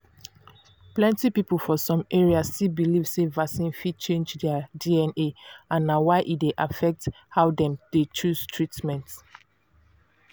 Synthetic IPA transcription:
plɛ̃ntipipəlˠfɔsɔ̃mʔeɹiastibilivsevasĩnfid̚t͡ʃẽnd͡ʒdɛadiɛ̃neãnːawaɪʔitdeʔafɛk̚t | haʊdɛ̃md̥et͡ʃuz̥tʰɹitmɛ̃nt

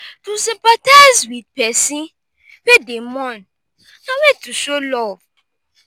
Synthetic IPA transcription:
tusĩmpataɪzwid̚pɛsĩ | fedemɔ̃n | nawɛtuʃolɔv

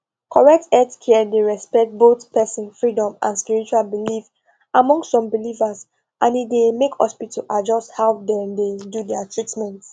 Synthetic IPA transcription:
kʰɔɹɛk̚tɛtkʰɛdeɹɛspɛk̚t̚botpɛsĩnfɹidɔ̃mʔã̰nspiɹit͡ʃualbilif | ʔamɔ̃ŋstsɔ̃mbilivas | ʔãnidemekhɔ̰spitʰəʔad͡ʒɔsthawdɛ̃mdedudɛatɹitmɛ̃nt

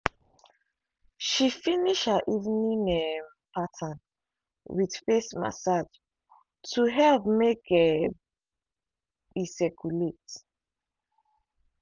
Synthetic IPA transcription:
ʃifiniʃhəʔivnĩnem | pʰatʰə̃n | widfesma̰sad͡ʒ | tʰuɦɛlvmekʰɛ | isɛkʰulet

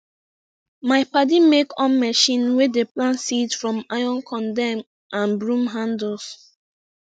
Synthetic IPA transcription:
maɪpadimekɔ̃nmɛʃĩnwedeplãnsidfɹɔ̃majɔ̃nkʰɔ̃ndɛ̃m | ʔãnbɹũmɦãndɔs

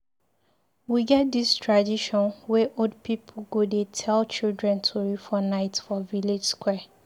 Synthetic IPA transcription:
wiɡɛt̚distʰɹadiʃɔ̃nwɛʔodpipʰl̩ɡodetʰɛlt͡ʃildɹɛ̃ntʰoɹifɔnaɪtfɔviled͡ʒskwɛ

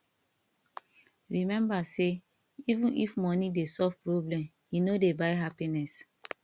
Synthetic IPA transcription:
ɹimɛ̃mbase | ivũnʔḭfmɔnidesɔvpɹoblɛ̃m | jinodebaɪɦapinɛs

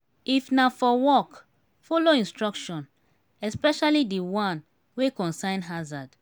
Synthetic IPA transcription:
ifnafɔwɔk | foloĩnstɹɔkʃɔ̃n | ɛspɛʃalidiwãn | wekɔ̃nsãɪ̃nɦazad

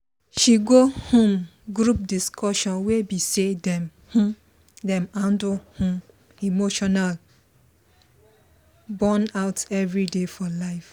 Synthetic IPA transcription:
ʃiɡohõmɡɾup̚diskʰɔʃɔ̃nwebisedɛ̃m | hũ | dɛ̃mãndʊhũm | imoʃɔnal | bɔnaʊtɛvɾidefɔlaɪf

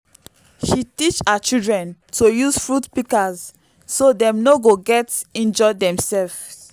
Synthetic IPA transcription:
ʃitit͡ʃat͡ʃildɹɛ̃ntʰojusfɹutpikaz | sodɛ̃mnoɡoɡɛtĩnd͡ʒɔdɛ̃msɛlf

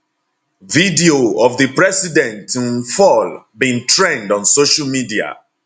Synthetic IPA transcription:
vidioɔvðəpɹɛsidɛ̃ntĩnfɔlbĩntʰɹẽndɔ̃nsoʃalmidia̰

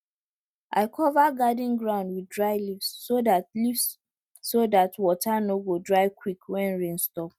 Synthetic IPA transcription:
ʔa̰ɪkʰɔvaɡadĩŋɡɹãʊ̃ndwidɹaɪlifsːodatlifsː | odatwɔtʰanoɡodɹaɪkwikwɛ̃nɹẽnstɔp̚

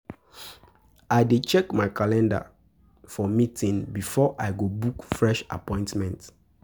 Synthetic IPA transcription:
aɪdet͡ʃɛkmaɪkʰalɛ̃nda̰ | fɔmitʰĩnbifɔʔaɪɡobukfɹɛʃa̰pɔ̃ɪ̃ntmɛ̃nt

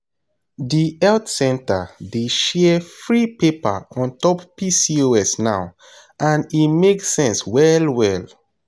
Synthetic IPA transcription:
diɛltsɛ̃nta̰deʃɛfɹipepa̰ɔ̃ntɔppisioɛsnaʊ | ʔãnimeksɛ̃nswɛlwɛl

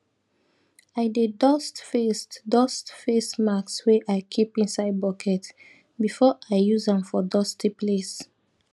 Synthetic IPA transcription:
aɪdedɔstfestdɔstfesmakswɛʔaɪkʰipĩnsaɪd̚bɔkʰɛt | bifɔʔaɪjuzãmfɔdɔstipʰles

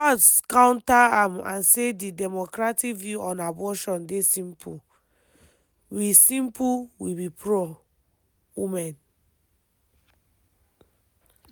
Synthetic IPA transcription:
ɔtskãʊ̃ntaãmã̰nsedidɛmɔkɹatikvjuɔ̃nabɔʃɔ̃ndesĩmpʰu | wisĩmpʰuwibipʰɹo | wimɛ̃n

